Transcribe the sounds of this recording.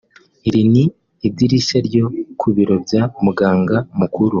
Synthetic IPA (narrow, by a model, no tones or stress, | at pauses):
iɾiniː | diɾiʃeɾjo̞kʰuβiɾo̞bjamuɡaːŋɡamukuɾu